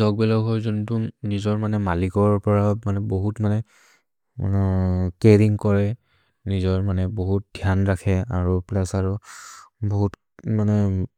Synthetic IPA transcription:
zɔk̚bɛlaɡɦojzɔntunizɔɹmanɛmalikɔɹpɔɹamanɛboɦutmanɛ | a̰nɛkeɹiŋkɔɹɛ | nizɔɹmanɛboɦut̚dʱjanɹakʰɛaɹuplɛsaɹu | boɦut | manɛ

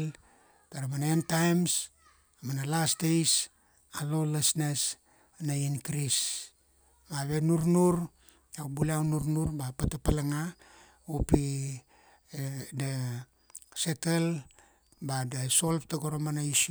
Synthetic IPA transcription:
l | taɾamanaentajms | amanalasdejs | alo̞lasnes | nainkɾis | maβe̞nuɾnuɾ | awbuliawnuɾnuɾbapatapalaŋa | upi | da | setel | badaso̞lptaɡoɾomanais

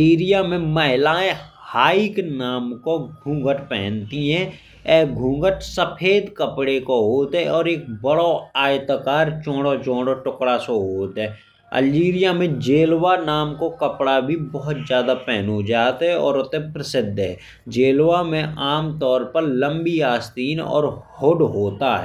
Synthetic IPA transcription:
iːɾijamẽməɦɪlaẽhaːiknaːmkoɡʱũːŋɡəʈpɛɦɛnt̪iɦɛ̃ | ɛːɡʱũːŋɡəʈsəpʰeːd̪kəpɽekoɦoːt̪ɦɛɔːɾeːk̚bəɽoaːjt̪əkaːɾt͡ʃõːɽot͡ʃõːɽoʈʊkɽasoɦoːt̪ɦɛ | ə̰ld͡ʒiːɾijamẽd͡ʒeːlwanaːmkokəpɽabʱibɔɦʊt̪zjaːd̪apɛːnod͡ʒaːt̪ɦɛɔ̰ːɾʊt̪ẽpɾəsɪd̪ʱːɦɛ̰ː | d͡ʒeːlwamẽʔaːmt̪ɔːɾpəɾlə̃mbiaːst̪iːnɔ̰ːɾhoɖɦoːt̪aɦɛ̰ː

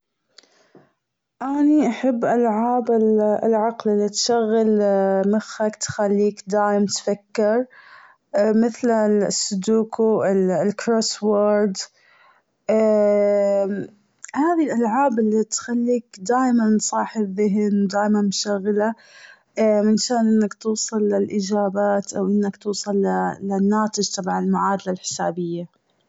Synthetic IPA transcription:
ʔaniʔaħɪbːʔalʕaːbɪlɪlʕaqlɪlːit̪ʃaɣːɪlmɪxːakt̪xalːiːkd̪aːʔɪmt̪fakːɪɾˤ | mɪθlasːʊd̪uːkuɪlkɾoːswaːɾd̪ | haːðilʔalʕaːbɪlːit̪xalːiːkd̪aːjmanːsˤɑːħɪðɪɦnwd̪aːʔmanmʊʃaɣːla | mɪnʃaːnʔɪnːakt̪uːsˤɑlːɪlʔɪd͡ʒaːbaːt̪ʔawʔɪnːakt̪uːsˤɑlːalanːaːt̪ˤɪd͡ʒt̪ˤɑbʕanɪlmʊʕaːd̪alalħɪ̥saːbɪjːa

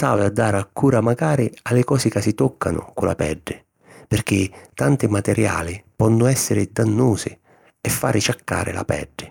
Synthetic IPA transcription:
saːvɪad̪ːaːɾakʰːuːɾamaɡaːɾɪalːɪkɔːsɪkasit̪ɔkʰːanʊ̰kʊla̰pɛ̰ɖːɪ | pɪrk̟ɪt̪ant̪ɪmat̪ɛɾja̰ːlɪpɔnːʊɛsːɪɾɪd̪anːuːsɪ | ɛfːaːɾɪt͡ʃakːa̰ːɾɪ̰la̰pɛ̰ɖːɪ

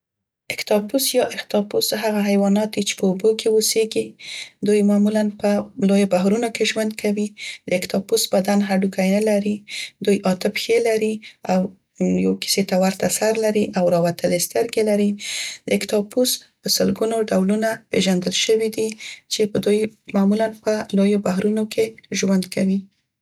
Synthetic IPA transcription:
ɪkt̪ɑpusjɑʔɪkt̪ɑpusɦaɣaɦajwɑnɑt̪̚d̪it͡ʃe̥pəobokʰewoseɡid̪ujmɑmulanpəlojobaɦɾunokeʒwand̪̚kʰawid̪̥əɪkt̪ɑpusbad̪anɦaɖukʰajnəlaɾid̪ujʔɑt̪ɪpxelaɾiaw | jeki̥set̪awaɾt̪asaɾlaɾiʔawɾɑwat̪əlest̪əɾɡelaɾid̪əɪkt̪ɑpuspəsəlɡunoɖawlunapeʒand̪əlʃəwid̪it͡ʃepəd̪ujmɑmulanpəlojobaɦɾunokeʒwand̪kʰawi

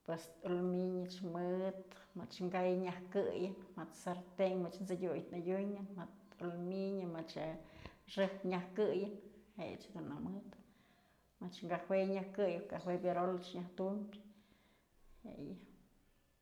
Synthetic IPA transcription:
pwesulmiɲɨt͡ʃmɨt̪ | mɨt͡ʃŋɡajɲahkɨjɨnmɨt̪saɾt̪eŋmɨt͡ʃnt͡sɨdʲujt̪najʲuɲɨnmɨt̪ulmiɲɨmat͡ʃ | ʂɨpɲahkɨjɨnhḛj̰t͡ʃd̪unːamɨt̪ | mɨt͡ʃŋɡahweɲahkɨjɨkahwebʲjeɾolt͡ʃɲaht̪umʲbʲ | hḛjɨ

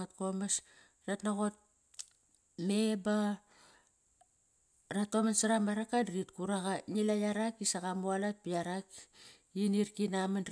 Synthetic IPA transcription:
at̚ko̞mes | ratnaɣo̞t̚ | me̞ba | ratomansaɾamaɾakadɾit̚kuɾaɣanilajaɾakisaɣamualat̚piaɾak | iniɾkinaman

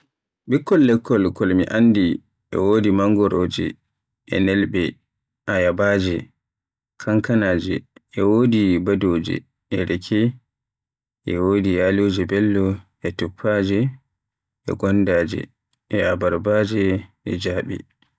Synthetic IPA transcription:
ɓikʰːɔlːɛkːɔlkɔlmḭʔandi | ʔɛ̰woːdimaŋɡɔɾʔoːd͡ʒɛ̰ | ʔɛ̰nɛlbɛ | ʔajabaːd͡ʒɛ | kʰaŋkanaːd͡ʒɛ̰ɛwoːdibadoːd͡ʒɛ̰ | ɛɾɛkʰɛ | ʔɛwoːdijaloːd͡ʒɛbɛlːɔ | ɛtupʰːad͡ʒɛ | ʔɛ̰ɡɔnːdaːd͡ʒɛ̰ | ʔɛabaɾbad͡ʒɛʔɛd͡ʒaːɓḭ

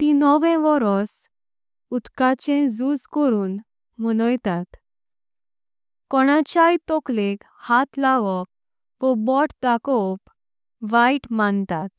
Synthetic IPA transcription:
t̪inɔʋɛ̃ʋɔɾɔs | ut̪kat͡ɕẽd͡zud͡zkɔɾuːn | m̤əñəjt̪at̪ | kɔɽ̃ãt͡ɕajt̪ɔklek | hat̪ʰlaʋɔk̚ | ʋəbɔʈt̪akɔp | ʋaiʈmant̪at̪

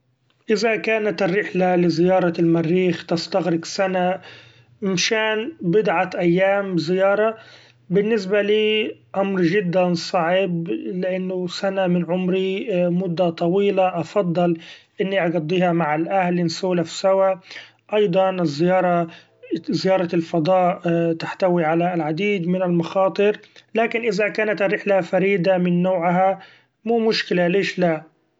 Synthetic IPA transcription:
ʔɪzakaːnat̪ɪrːɪħlalɪzɪjɑːɾˤɑlmarːiːxt̪ɪst̪aɣɾɪɡsana | ɪmʃaːnbɪd̪ʕaʔajːaːmzɪjɑːɾˤɑ | bɪnːɪs̬baliːʔamɾʒɪd̪ːansˤɑʕɪblɪʔanːʊsanamɪnʕʊmɾimʊd̪ːat̪ˤɑwiːlaʔɑfɑd̪ˤːɨlʔɪnːiʔɑɡɑd̪ˤːiːhamaʕalʔahlɪnsuːlafsawa | ʔɑjd̪ˤɑnɪzːɪjɑːɾˤɑ | zɪjɑːɾˤɑlfɑd̪ˤɑːʔt̪aħt̪awiʕalalʕad̪iːd̪mɪnalmɑxɑːt̪ˤɨɾlaːkɪnʔɪzakaːnat̪hɾɪħlafaɾiːd̪amɪnːoːʕɦa | muːmʊʃkɪlaleːʃla

